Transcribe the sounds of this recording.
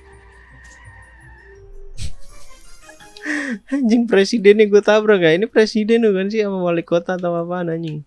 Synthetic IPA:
ɲd͡ʒəŋpɾesidɛnːaɡuat̪abɾakainipɾesidɛnukans̬iamawalikot̪aːt̪awapanaɲd͡ʒəŋ

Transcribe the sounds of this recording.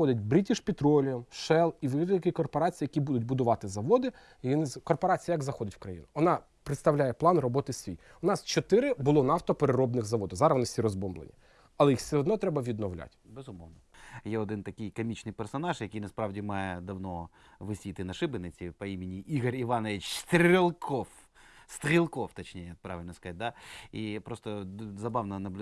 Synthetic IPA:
ɔd̪ʲɪtʲbɾʲitʲiʃpʲit̪ɾɔlʲijɔmʃɛlˠiʋ̪ɪkʲikɔrpɔɾɑt͡sʲijɐkʲibud̪ʊtʲbʊd̪ʊʋɑt̪ɪzɐʋɔd̪ɪ | jnɪzkɔrpɔɾɑt͡sʲijɐɡzɐxɔd̪ʲɪtʲwkɾɐjḭnʊʋɔnɑ | pɾɪt̪st̪ɐwlʲajɛplˠɑnrɔbɔt̪ɪsʲʋʲḭj | ʊnɑst͡ʃɔt̪ɪɾɪbʊlˠɔnɑwt̪ɔpeɾeɾɔbnɪɣzɐʋɔd̪ʊwzɑɾɐʋnɪsʲiɾɔzbɔmblˠḛnʲḭ | ɐlˠɛjixsʲeɦɔd̪nɔt̪ɾɛbɐʋʲid̪nɔwlʲa̰tʲbezʊmɔwnɔjɛɔd̪ɪnt̪ɐkʲɪjkɐmʲit͡ʃnɪjpersɔnɑʒjɐkʲijnɐspɾɑwdʲimɑjɛd̪ɐwnɔ | ʋɪsʲit̪ɪnɐʃɪbɪnɪt͡sʲipɐimʲɪnʲiʔiɣɔɾʲiʋɑnɛit͡ʃst̪ɾʲilˠkʰɔf | st̪ɾʲilˠkɔwt̪ɐt͡ʃnʲeijjɐkpɾɑʋɪlʲnskɐat̚ʲd̪aipɾɔst̪ɔzɐbɑʋnɐnɐblʲ

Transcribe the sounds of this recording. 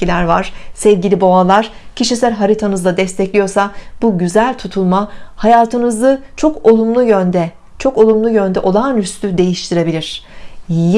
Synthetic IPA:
ilʲæɾvaɾ̥sɛvɟilʲibo̞alˠaɾ̥cʰiʃisæɾɦaɾit̪ʰanɯzlad̪ɛst̪ʰɛclʲijo̞ɾsabuɟyzælʲt̪ʰut̪ʰulˠmahajaːt̪ʰɯnɯzɯt͡ʃʰo̞ko̞lˠumlˠujønd̪ɛ | t͡ʃʰo̞ko̞lˠumlˠujø̞nd̪ɛʔo̞lˠanyst̪ʰyd̪e̞jiʃt̪ʰiɾe̞bilʲiɾ̝̥

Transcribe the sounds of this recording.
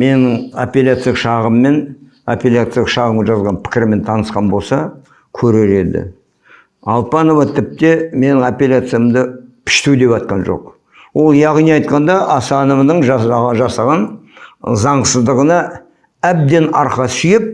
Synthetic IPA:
me̞nɪŋo̰pʲelʲat̪sɨjʃɑʁəmːe̞n | apʲelʲat̪sɨjʃɑʁəmʒɑzʁɑnpʰɪ̥kʲɪɾɪme̞nt̪ʰɑnəsqɑnbo̞lˠsɑ | kʲʰɵɾeɾe̞d̪ɪ̰ | ɑlˠpɑno̞vɑt̪ʰɪp̚t̪e̞me̞nɪŋapʲelʲat̪sɨjamd̪əpʰɪ̥ʃt̪ud̪e̞pɑt̪̚qɑnʒo̞̰q | wo̞lˠjɑʁnijɑjt̪̚qɑnd̪ɑʔɑsɑnəmnəɴʒʒɑsɑʁɑn | zɑɴsəzd̪əʁənɑ | æb̚d̪e̞nɑɾqɑsʏjɪp̚

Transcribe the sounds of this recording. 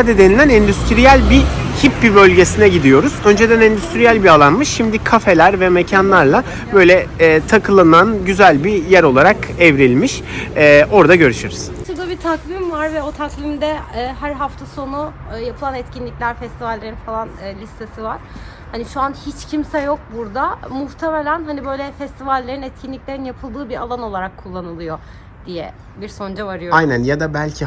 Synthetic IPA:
ad̪ed̪enilʲænɛnd̪yst̪ʰɾijælʲbihipːbibø̞lʲɟe̞sinɛɟid̪ijo̞ɾuzønd͡ʒe̞d̪ænɛnd̪yst̪ʰɾijælʲbialˠanmɯʃʃimd̪ikʰafe̞lʲæɾvɛme̞cʰanlˠaɾlˠa | bø̞jlʲɛːt̪ʰakʰɯlˠananɟyzælʲbijæɾo̞lˠaɾakɛvɾilʲmiʃɛːʔo̞ɾd̪aɟø̞ɾyʃyɾyz̥t͡ʃʰɯklˠabit̪ʰaklʲimvaɾvɛo̞t̪ʰaklʲˠimd̪ɛːɦæɾɦaft̪ʰaso̞nujapʰɯlˠanɛt̪cinlʲiclʲæɾfɛst̪ivalʲːe̞ɾinfalˠanɯːlʲist̪e̞sivaɾ̥ | haniʃuanhit͡ʃcʰimsɛjo̞k̚buɾd̪amuht̪ʰemelʲænɦanibø̞jlʲɛfɛst̪ʰivalʲːeɾinɛt̪̚cʰinlʲiclʲe̞ɾinjapʰɯlˠd̪ɯːbiɾalˠano̞lˠaɾakʰːulˠːanɯlˠɯjo̞ | d̪̥ijɛ̰ | biɾso̞nd͡ʒavaɾɯjoajnænjad̪abælʲcʰi

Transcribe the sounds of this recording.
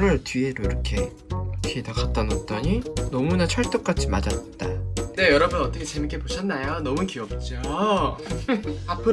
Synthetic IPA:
ɾɯɭtɥieɾoiɾʌkʰe̞ | kʰedakat͈anʌt͈ʌɲinʌmunat͡ɕʰʌɭt͈ok͈at͡ɕʰimad͡ʑat̚t͈ane̞jʌɾʌbunʌt͈ʌkʰet͡ɕe̞mik͈e̞poɕʰʌnːajonʌmukiʌp̚t͡ɕ͈o | apʰɯ

